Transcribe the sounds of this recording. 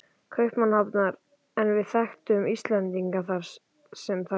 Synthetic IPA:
kʰœɥhpmanhapnaɾ | ɛnvɪðθaxt̪ʏmist̪lɛnt̪iŋkaθaɾ̥ | sɛmθa

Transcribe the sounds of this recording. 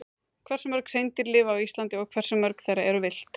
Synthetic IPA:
kʰvɛr̥sʏmœɾksejnt̪ɪɾlɪːvaawist̪lant̪ɪɔɣkʰvɛr̥sʏmːœɾkθejɾaɛɾʏvɪl̥t̪

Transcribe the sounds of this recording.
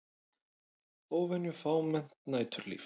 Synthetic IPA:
oːwvɛnːʏfaːwmɛn̥t̪naːjt̪ʏɾlḭːf

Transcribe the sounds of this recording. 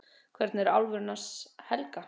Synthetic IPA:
kʰvɛɾt̪nɛɾawlvʏɾnashɛlka

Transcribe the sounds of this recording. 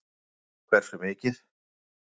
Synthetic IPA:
kvɛɾ̥sɾʏmɪːcɪθ

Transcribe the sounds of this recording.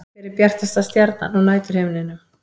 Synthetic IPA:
ɪɾɪɾpjɛr̥t̪ɪst̪ast̪jɛɾt̪̚na̰nawnaːjt̪ʏɾ̥hɪːvnɪnːʏ

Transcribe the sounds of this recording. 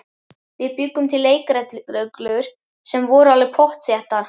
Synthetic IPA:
vɪðpʏkːʏmt̪ʰɪlːeːjkɾɛt̪ɾœklʏɾ̥ | sɛmvɔɾalvɪpʰɔht̪θjɛht̪aɾ̥

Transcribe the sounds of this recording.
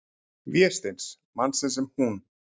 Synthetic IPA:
vjɛst̪ens | mansɪns̬ɛmhun

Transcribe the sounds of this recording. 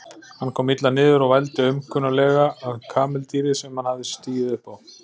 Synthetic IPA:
hankʰɔːmit̪lanɪːðʏɾaɣvajlt̪ʏʏmkʰʏnalɛːɣaːðkʰaːmɛlt̪iːɾɪsɛmhanhavðɪst̪iːjɪðɪhpaw

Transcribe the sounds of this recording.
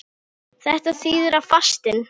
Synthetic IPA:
θɛht̪aθiːðʏɾavfast̪ɪn

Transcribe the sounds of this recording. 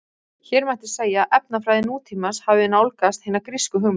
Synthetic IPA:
çɛːɾmajht̪ɪ̥seːjaʔɛpnafɾaːjðɪnuːt̪ʰiːmashavɪɪnːawlkast̪hɪːnakɾɪskʏɦʏm

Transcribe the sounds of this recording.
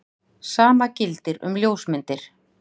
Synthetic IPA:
saːmacɪlt̪ɪɾʏ̰mljoːwsmɪnt̪ɪɾ̥

